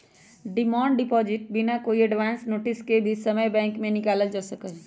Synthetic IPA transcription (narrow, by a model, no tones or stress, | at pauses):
ɖɪmãːɳɖɖɪpɔːd͡ʒɪʈ̚binakoːiəɖʋaːnsnoːʈɪskebʱisəməjbɛ̃ːŋkmẽnɪkaːləld͡ʒasəkəɦ